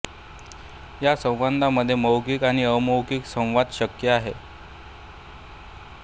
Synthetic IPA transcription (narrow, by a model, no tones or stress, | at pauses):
jasə̃w̃ʋand̪ʱaməd̪ʱːjeməwkikaɽ̃iəməwkiksə̃w̃ʋad̪ɕəkjəaɦe